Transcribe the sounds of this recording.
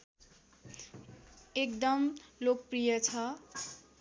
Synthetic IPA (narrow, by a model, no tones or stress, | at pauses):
ekd̪ʌmlok̚prijʌt͡sʰʌ